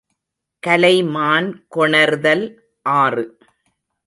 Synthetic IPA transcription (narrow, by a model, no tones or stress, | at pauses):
kɐlɐɪmaːnkɔɳɐɾðɐl | ʔaːrɯ